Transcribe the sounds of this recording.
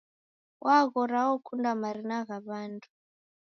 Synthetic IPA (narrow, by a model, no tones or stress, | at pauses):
wʔaɣɔɾawɔkʰundamaɾinaɣaβandʰu̥